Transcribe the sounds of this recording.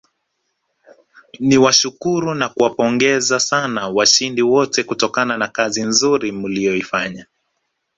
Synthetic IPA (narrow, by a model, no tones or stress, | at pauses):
niwaʃukuɾunakuwapɔŋɡɛzasanawaʃindiwɔtɛkutɔkananakazinzuɾimulijɔifaɲa